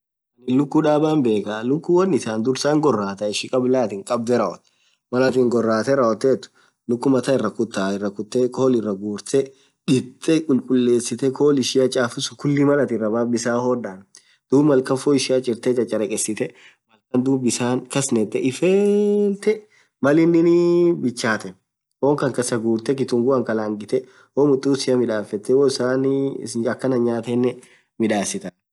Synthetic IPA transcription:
ɐnɪlʊkːʊᶑaːbaːmbe̞ːkalʊkːʊwɐnɪsaːnd̪ʊɾsaːŋɡɔrːaːt̪ɐɪʃɪkʼɐblaːt̪ɪŋkʼɐb̚d̪ɛɾɐɔt̪ː | mɐlɐt̪iŋɡɔrːaːt̪ɛɾɐɔt̪ːeːt̪ːʊ̥ | lʊkːʊmɐt̪ɐɪrːɐkʊt̪ːaɪrːɐkʊt̪ːɛkoːlɪrːɐɡuːɾt̪ɛ | ᶑɪt̪ʼːɛkʼʊlkʼʊlːe̞ːsːɪt̪ɛkʰoːlɪʃɪjɐt͡ʃʼaːfɪsʊkʊlːɪmɐlɐt̪ɪrɐbaːbɪsaːhɔd̪aːn | d̪̥uːbmɐlkɐnfoːɪʃɪat͡ʃʼɪɾt̪ɛt͡ʃʼɐt͡ʃʼɐɾɛkʼɛsːɪt̪ɛ | mɐlkɐnd̪uːbɪsaːŋkɐsnɛt̪ːɛʔɪfeːlt̪ɛ | mɐlɪnːɪnɪbɪt͡ʃːaːt̪ɛ | woːŋkɐŋkɐsɐɡuːɾt̪ɛkɪt̪ʊŋɡʊɐŋkɐlaːŋɡɪt̪ɛ | woːmʊt̪ʼːuːsɪjɐmɪᶑaːfɛt̪ːɛwoːɪsaːnːɐkːɐnɐɲaːt̪ɛnːɛ | mɪᶑaːsɪt̪ɐ

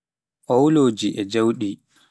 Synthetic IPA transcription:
ʔɔwuloːd͡ʒiʔɛd͡ʒawɗi

